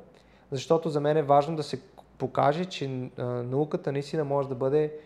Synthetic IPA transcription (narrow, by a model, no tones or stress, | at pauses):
zɐʃt̪ɔt̪ozɐmɛnɛvaʒnod̪ɐsɛpoka̰ʒɛt͡ʃɛnɐukət̪ənɐist̪inəmɔʒɛd̪ɐbɤd̪ɛ